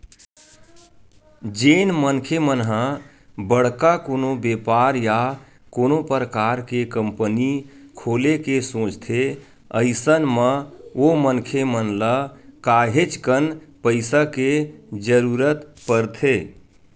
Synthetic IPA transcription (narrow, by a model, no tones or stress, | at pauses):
d͡ʒeːnmənkʰemənɦə̃ | bəɽ̤kakoːnobeːpaɾja | konopəɾəkaːɾkekəmpənikʰoːlekesõːt͡ʃt̪ʰe | əɪsənməomənkʰemənləkaːɦet͡ʃkənpəɪsaked͡ʒəɾuːɾət̪pəɾt̪ʰe